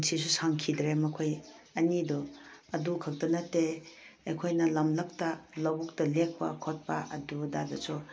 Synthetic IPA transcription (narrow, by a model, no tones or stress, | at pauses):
nsʰis̬usaŋkʰidɾemɐkʰojɐnidɔɐdukʰɐk̚tɐnɐteḛkʰojnɐlɐmlɐp̚tɐlɐbuk̚tɐlek̚ʰpɐ̰kʰot̚pɐ̰ʔɐ̰dudadɐsu